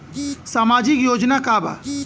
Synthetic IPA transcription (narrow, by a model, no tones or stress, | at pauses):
saːmaːd͡ʒikjoːd͡ʒnakaba̰